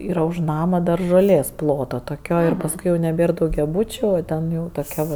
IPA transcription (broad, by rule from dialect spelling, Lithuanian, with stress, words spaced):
ˈiːrɐ ʊʃ ˈnɑːmɐ dɐr ʒoːˈlʲeːs ˈplˠoːtoː toːˈkʲoː ɪr pɐsˈkʊɪ jɛʊ nʲɛˈbʲeːr dɐʊɡʲɛˈbuːt͡ʃʲʊ oː ˈtʲɛn jɛʊ toːˈkʲɛ ʋɐ